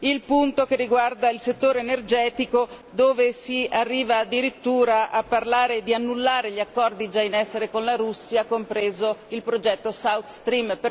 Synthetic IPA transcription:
ilpunt̪okerːiɡward̪ailset̪ːoːɾeːnerd͡ʒɛːt̪iko | d̪oːvesiarːiːvaːd̪ːiɾit̪ːuːɾaʔapːarlaːɾed̪ianːulːaːɾeʎiakːɔrd̪id͡ʒainɛsːeɾekonlaɾusːiakompɾeːzoilpɾod͡ʒɛt̪ːosawt̪st̪ɾimpe

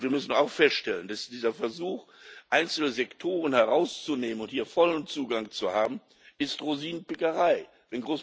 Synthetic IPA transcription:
viːɐmʏsn̩aʊxfɛstʃtɛləndasd̥iːzɐfɛɐzuːxʔaɪnt͡sl̩əzɛktʰoːʁ̞ənhɛʁaʊst͡suneːmənʊnthiːɐfɔlənt͡suːɡaŋt͡suhaːbm̩ | ɪstʁoziːnənpɪkəʁaɪ | v̥ɛnɡʁoːs

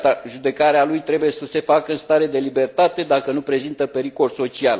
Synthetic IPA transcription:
t̪aʒud̪e̞kaɾealujt̪ɾe̞buje̞səse̞fakəɨnst̪aɾe̞d̪e̞libe̞rt̪at̪e̞d̪akənupɾe̞zint̪əpe̞ɾiko̞lso̞t͡ʃial

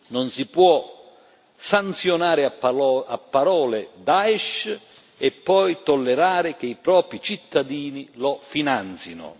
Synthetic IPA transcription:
nʊnsipwɔ | sant̪sjʊnaːɾɪaapːaɾɔːlɪd̪aɛʃ | ɛpːɔjt̪ɔlːɛɾaːɾɪk̟ɪipɾɔːpɾit͡ʃit̪ːad̪iːnilɔfinant̪sinʊ̰

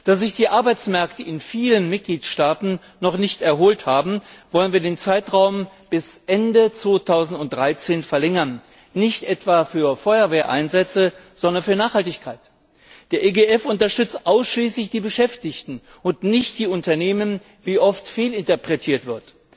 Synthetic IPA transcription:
d̥aːzɪçd̥iːʔaɐbaɪt͡smɛɐktəɪnfiːlənmɪt̚ɡ̥liːtʃtaːtn̩ | nɔχnɪçtɛɐɦoːlthaːbm̩vɔlənviːɐdeːnt͡saɪtʁaʊm | b̥ɪsʔɛndət͡sv̥oːtʰaʊzn̩tʊnt̚d̥ʁaɪt͡seːnfɛɐlɛŋɐnː | ɪçtʔɛtv̥aːfyːɐfɔʏɐveːɐʔa̰ɪnzɛt͡sə | z̥ɔndɐnfyːɐnaːχhaltɪçkʰaɪt | d̥eːɐʔeɡeʔɛfʊntɐʃtʏt͡stʔaʊsʃliːslɪçd̥iːbəʃɛftɪçtn̩ | ʔʊntnɪçt̚d̥iːʊntɐneːmən | viːʔɔftfeːlɪntɐpʁ̥ɛtʰiːɐtv̥ɪɐt

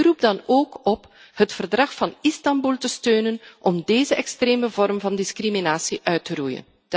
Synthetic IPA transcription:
rup̚dɑnoːkɔp | hətfərdrɑxfɑnɪstɑmbulˠtəstøːnənʔɔmdeːzəʔɛkstreːməvɔrmvɑndɪskriminaːsiʔœɥtərujə̰n

